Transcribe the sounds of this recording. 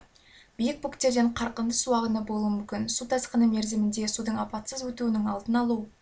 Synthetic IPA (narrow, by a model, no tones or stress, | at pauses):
bijɪk̚bukt̪eɾd̪eɴqʰɑɾqənd̪əsuɑʁənəbolˠuəmʏmkʲɪnsut̪ʰɑsqənəme̞ɾzɪmɪnd̪e̞sud̪əɴɑpɑt̪səzwɵt̪uɪnɪŋɑlˠd̪ənɑlˠu